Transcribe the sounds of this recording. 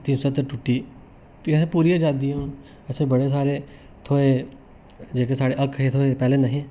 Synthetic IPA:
t̪iːnsɐt̪əʈʊʈːi | jesepuːɾiad͡ʒaːd̪iõ | əsebɐɽes̬aːɾe | t̪ʰoːe | d͡ʒeːkesaːɽeʔɐkʰet̪ʰoːepɛːlenɐɦĩ

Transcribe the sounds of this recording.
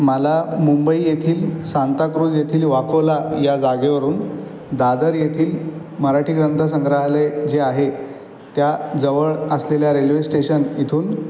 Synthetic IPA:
məlamumbəijet̪ʰiːlsant̪akɾuːd͡zjet̪ʰiːlʋakəʋlajad͡zaɡeʋəɾuːn | d̪ad̪əɾjet̪ʰiːl | məɾaʈʰiːkɾənt̪ʰəs̬ə̃ŋɡɾaɦled͡zeaɦe | t̪jad͡zəʋəɭəsleljaɾelʋesʈeɕənit̪ʰuːn

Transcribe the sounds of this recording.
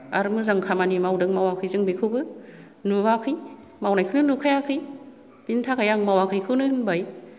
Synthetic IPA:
aɾɯmɯzaŋkʰamanimawdɯŋmawakʰɯjzɯŋbekʰɯwbɯ | nuwakʰɯj | mawnajkʰɯnɯnukʰajakʰɯj | b̥intʰakʰajaŋmawakʰɯjkʰɯnɯhɯnbaj

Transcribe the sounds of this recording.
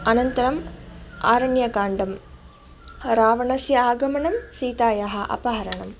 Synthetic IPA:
ɐnɐnt̪ɐɾɐmaːɾɐɳjɐɡaːɳɖɐm | ɾaːʋɐɳɐsjɐaːɡɐmɐɳɐmsiːt̪aːjaɦɐʔɐ̰pɐɦɐɾɐɳɐm

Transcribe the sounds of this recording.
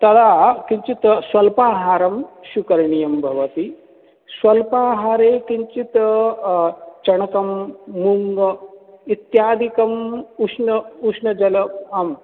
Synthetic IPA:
t̪ɐd̪akiɲt͡ʃit̪sʋɐlpaːɦaːɾɐmɕukɐɾɳijɐmbʱɐʋɐt̪i | sʋɐlpaɦaːɾekiɲt͡ʃit̪ | t͡ʃɐɳ̃ɐkɐmːuŋɡ | it̪jaːd̪ʱikɐmuʂnɐuʂnɐd͡ʒɐlɐɐm

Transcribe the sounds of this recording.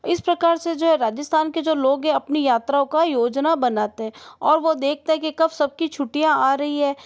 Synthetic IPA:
ɪspɾɐkaːɾsed͡ʒoːɦɛɾaːd͡ʒəst̪ʰaːnked͡ʒoːloːɡɦɛ̃ɐpnijaːt̪ɾaõkajoːd͡ʒnabɐnaːt̪eɦɛ̃ːɔːɾʋod̪eːk̚ʰt̪aɦɛ̃kikɐbsɐb̚kit͡ʃʰʊʈijãaːɾɐɦiɦɛː

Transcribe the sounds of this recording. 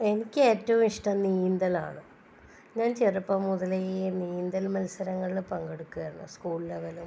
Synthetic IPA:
e̞nikʲːɨe̞ːtːɐʋumiʂʈɐmniːnd̪ɐla̰ːɳɨ | ŋːant͡ɕerupːɐmːuðɐlejeniːund̪ɐlmɐlsɐɾɐŋːɐɭipɐŋɡeɽukːuɣɐɾnːɐ̰skuːɭlɐʋɐlu

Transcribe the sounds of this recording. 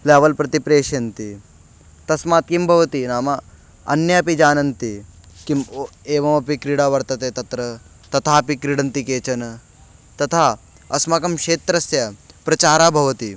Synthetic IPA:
laːʋɐlpɾɐt̪ipɾeːʃjɐnt̪i | t̪ɐsmaːt̪̚kimbʱɐʋɐt̪inaːmɐ | ɐ̰njɐɐpid͡ʒaːnɐnt̪i | kimeːʋɐmɐpikɾiːɽaːʋɐɾt̪ɐt̪eːt̪ɐt̪ɾɐ | t̪ɐt̪ʰaːɐpikɾiɽɐnt̪ikeːt͡ʃɐnɐ | t̪ɐt̪ʰaː | ɐsmaːkɐmʂeːt̪ɾɐsjɐpɾɐt͡ʃaːɾaːbʱɐʋɐt̪i

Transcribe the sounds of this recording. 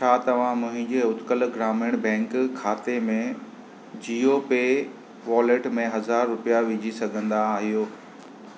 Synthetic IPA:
t͡ɕʰaːt̪ɐʋ̤ãmʊ̃ɦɪ̃ɲd͡ʑeːʊt̪kəlɡɾaːmɪəɽ̃bɛ̃ːŋkkʰːaːt̪emẽ | d͡ʑiːope | ʋɔːleʈmẽɦɐzaːɾːʊpijaʋɪd͡ʑʱisɐɡʱə̃nd̪aːɦijoː

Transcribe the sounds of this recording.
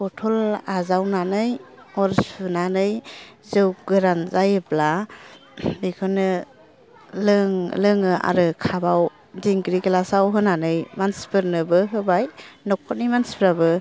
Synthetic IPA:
pɔtʰɔlazawnanɯj | ɔɾspɯnanɯjzɯwɡɯɾanzajɯbla | bikʰɯnɯ | lɯŋlɯŋɯa̰ɾɯkʰabaw | diŋɡɾikɡɯlasawɦɯnanɯjmanspʰɯɾnɯbɯɦɯbajnɔkʰːɔt̚nijmanspɾabɯ

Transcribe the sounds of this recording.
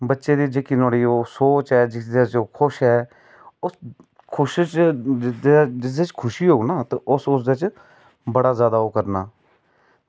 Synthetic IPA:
bətːʃeːd̪iːd͡ʒeːkinoːɽiːoːsoːt͡ʃɦɛːd͡ʒɪsd̪eːt͡ʃoːkʰʊʃɦɛː | ʊs | kʰʊʃt͡ʃd͡ʒ̪ed͡ʒɪs̬d̪eːt͡ʃkʰʊʃiːɦoːɡnaːt̪eʊsʊs̬d̪et͡ʃ | bəɽaːzjaːd̪aːoːkəɾna̰ː

